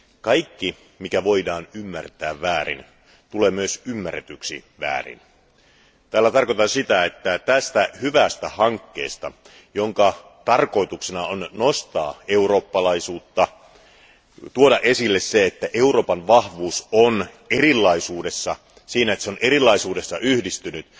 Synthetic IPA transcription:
kɑikːi | mikæʋo̞idɑːnymːært̪æːʋʋæːɾḭn | t̪uleːmyøsymːæret̪yksḭʋæ̰ːrḭn | t̪æːlːæt̪ɑrko̞t̪ɑnsit̪æet̪ːæt̪æst̪æhyʋæst̪æhɑŋkːe̞̰ːst̪ɑ | joŋkɑ | t̪ɑrko̞it̪uksenɑonnost̪ɑːeuro̞ːpːɑlɑisuːt̪ːɑ | t̪uodɑʔesilːesseet̪ːæʔe̞uro̞ːpɑnʋɑhʋuːson | erilːɑisuːdesːɑ | siːnæet̪ːseonʔeɾilˑːɑisuːde̞sːɑʔyhdist̪ynyt̪

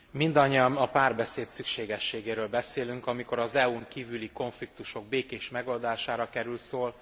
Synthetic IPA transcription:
mind̪ɒɲːiɒmɒpaːrbɛseːt̪sykʃeːɡɛʃːeːɡeːɾøːlbɛseːlyŋkɒmiko̞ɾɒzɛuŋkiːvyliko̞ɱflik̚t̪uʃo̞ɡ̚beːkeːʃmɛɡo̞ld̪aːʃaːɾɒkɛɾylsoːl

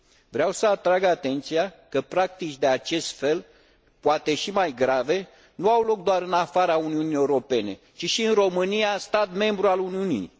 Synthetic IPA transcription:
vɾeawsəat̪ɾaɡat̪e̞nt̪siakəpɾak̚t̪it͡ʃʲd̪e̞at͡ʃe̞st̪fe̞l | poat̪e̞ʃimajɡɾave̞ | nuawlo̞k̚d̪oaɾɨnafaɾauniunije̞uɾo̞pe̞ne̞̰ | t͡ʃiʃiɨnro̞mɨnijast̪at̪me̞mbɾualuniunḭj

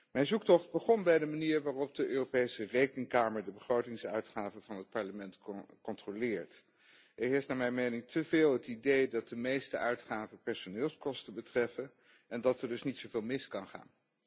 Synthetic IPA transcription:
mɛjnzuk̚tɔχd̚bəχɔnbɛjdəmaniːɹʋaːrɔp̚dəʔøːropejsərejkəŋkaːməɹdəbəχrowtɪŋsœɥtχaːvəv̥ɑnɦət̚pɑɹləmɛntkɔntrolɪːɹt | ɪkɦɪːɹstnaːmɛjnmejnɪŋtʰəvɪːlˠɦətidejdɑt̚dəmejstəʔœɥtχaːvəpɛɹsonɪːlˠskɔstəbətrɛfə | ɛndɑtɛɹdɵsnitsovɪːlˠmɪskɑnχa̰ːn

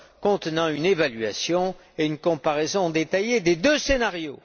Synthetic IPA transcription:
kɔ̃t̪ənɑ̃ynevalɥasjɔ̃ | eynkɔ̃paʁɛzɔ̃d̪et̪ajed̪ed̪øsenaʁjo

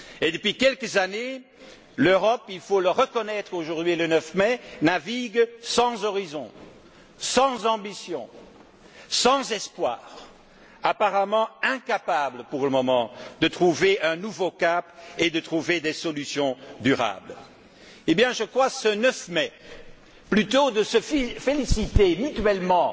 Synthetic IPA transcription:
ed̪əpɥikʲɛlkəzane | løʁɔpilfoləʁəkɔnɛt̪χoʒuʁd̪ɥilənəfmɛnaviɡsɑ̃zɔʁizɔ̃ | sɑ̃zɑ̃bisjɔ̃ | sɑ̃zɛspwa̰ːʁ | apaʁamɑ̃ɛ̃kapabləpuʁləmɔmɑ̃d̪ət̪χuveʔɛ̃nuvokaped̪ət̪χuved̪ɛsɔlysjɔ̃d̪yʁa̰bl | ebjɛ̃ʒəkχwasənœfmɛ | plyt̪od̪əsəffelisit̪emyt̪ɥɛlmɑ̃

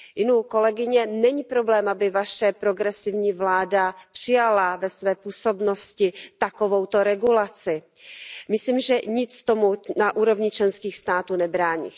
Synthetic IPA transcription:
jɪnuko̞lɛɡɪɲɛnɛɲiːpɾo̞blɛːmabɪvaʃɛpɾo̞ɡɾɛsɪvɲiːvlaːdapr̥ɪjalavɛsvɛːpuːso̞bno̞scɪt̪ako̞vo̞wt̪o̞ɾɛɡulat͡sɪ | mɪsliːmʒɛɲɪt͡st̪omunaʔuːɾo̞vɲɪt͡ʃlɛnskiːxst̪aːt̪uːnɛbɾaːɲḭ

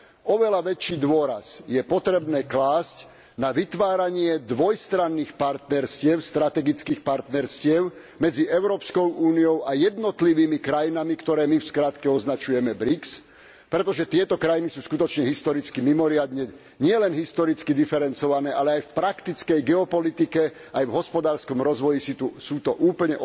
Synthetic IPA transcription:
ɔʋɛlaʋɛt͡ʃːiːd̪ʊɔɾa̰sjɛpɔt̪ɾɛbnɛːklaːsc | naʋit̪ʋaːɾaɲɪɛd̪ʋɔjst̪ɾanːiːxpaɾt̪nɛɾscɪɛʊst̪ɾat̪ɛɡit͡skiːxpaɾt̪nɛɾscɪɛʊ | mɛd͡ziʔɛʊɾɔːpskɔʊuːnijɔʊajɛd̪nɔt̪liʋiːmikɾajinamikt̪ɔɾɛːmifskɾaːt̪kɛɔznat͡ʃujɛmɛbɾiks | pɾɛt̪ɔʒɛt̪ɪɛt̪ɔkɾajinisuːskut̪ɔt͡ʃɲɛɦist̪ɔɾit͡skimimɔɾɪad̪ɲɛ | ɲɪɛlɛnɦist̪ɔɾit͡skid̪ifɛɾɛnt͡sɔʋanɛːʔalɛajfpɾakt̪it͡skɛjɡɛɔpɔlit̪ikɛ | ajvɦɔspɔd̪aːɾskɔmɾɔzʋɔjisit̪usuːt̪ɔʔuːpl̩ɲɛʔ

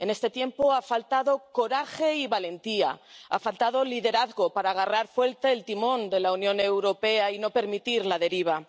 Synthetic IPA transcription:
e̞ne̞st̪e̞t̪je̞mpo̞afalt̪aðo̞ko̞ɾaxe̞iβale̞nt̪ia̰a̰falt̪aðo̞liðe̞ɾaθɣo̞paɾaːɣ̞araɾfwe̞lt̪eːlt̪imõ̞nd̪e̞launjõ̞ne̞wɾo̞pe̞aino̞pe̞ɾmit̪iɾlaðe̞ɾiβ̞a

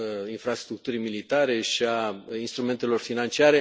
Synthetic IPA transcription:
infɾast̪ɾuk̚t̪uɾimilit̪aɾe̞ʃiainst̪ɾume̞nt̪e̞lo̞rfinant͡ʃiaɾe̞

